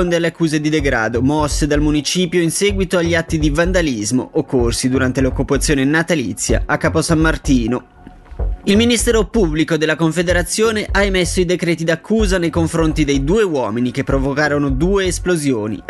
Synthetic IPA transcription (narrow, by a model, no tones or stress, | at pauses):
ond̪ealeakːuːzed̪id̪eɡɾa̰ːd̪omɔsːed̪almunit͡ʃiːpjoinsɛːɡwit̪oaʎːiat̪ːid̪ivand̪alizmo̰ʔokːorsid̪uɾant̪elokːupat̪sːjoːnenat̪alḭt̪sːja̰akːaːposamːart̪iːno | ilminist̪ɛːɾopubːlikod̪elːakoɱfed̪eɾat̪sːjoːneʔaemesːoid̪ekɾɛːt̪id̪akʰːuːzanejkoɱfɾont̪id̪ejd̪uːewɔːminikepːɾovokaːɾonod̪uːeːsplozjoːnḭ